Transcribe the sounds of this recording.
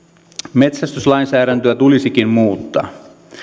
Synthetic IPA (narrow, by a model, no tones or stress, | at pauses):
me̞t̪sæst̪yslɑjnsæːɾænt̪øæt̪ulisikimmuːt̪ːɑ̰ː